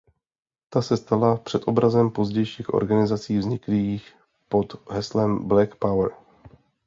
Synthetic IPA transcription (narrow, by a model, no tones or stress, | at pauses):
t̪asɛst̪alapr̝̥ɛt̪ʔo̞bɾazɛmpo̞zɟɛjʃiːxʔo̞̰ɾɡanɪzat͡siːvzɲɪkliːx | po̞d̪ɦɛslɛmblɛkpawɾ